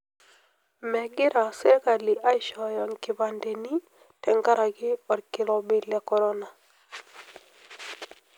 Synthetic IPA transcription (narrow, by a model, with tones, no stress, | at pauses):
mɛ˨ɡɪ˦ɾa˨sɛ˦ɾka˨li˨ʔa˦jʃɔ˨jɔ˨ŋkɪ˨ba˨nde˨ni˦ | tɛ˨ŋɡa˦ɾa˨ɡɪ˦ɔ˨ɾkɪ˨lɔ˨bɪ˨lɛ˨kɔ˨ɾɔ˦na˨